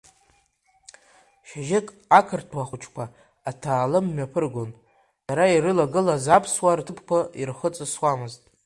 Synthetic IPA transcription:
ʃaʒɪkʼ | akʰɨrtʰwaχʷut͡ʃʰkʷʰaː | tʰaːlɨmːapʰɨrɡʷon | daɾaiɾɨlaɡɨlazapʰswartʰɨpʰkʷairχət͡sʼɨswamɨztʼ

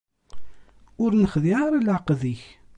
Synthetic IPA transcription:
ʊɾnəχðiaɾalʕəqðiç

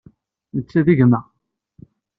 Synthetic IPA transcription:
mət͡sːæðiʝmæ

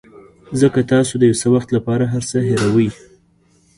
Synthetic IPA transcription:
zəkat̪ɑsod̪əjawsəwaxt̪lapɑɾaɦaɾsəɦeɾawəj

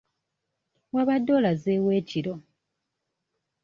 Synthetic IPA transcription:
waβadːo̞lazeːwe̞ːciɾo̞

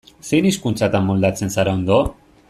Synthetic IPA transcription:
sejniskunt͡sat̪anmːold̪at͡sensaɾaond̪o

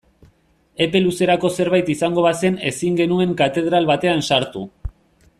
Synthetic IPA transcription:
e̞pe̞luse̞ɾako̞se̞ɾβajt̪isaŋɡo̞βase̞ne̞siŋɡe̞nue̞ŋkat̪e̞ð̞ɾalβat̪e̞ansaɾt̪u

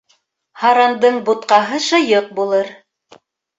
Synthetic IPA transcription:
hɑɾɑnd̪ɤɴbut̪̚qɑɦɤʃɤ̆jɤq̚bulˠɤɾ

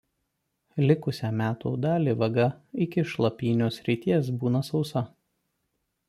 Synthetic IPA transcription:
lʲɪkʊsʲɛːmʲæːt̪ṵːd̪ɑːlʲiːʋɐɡɐɪkʲɪʃlˠɐpʲiːnʲoːsʲɾʲɪt̪ʲiɛsbuːnɐsɒʊsɐ

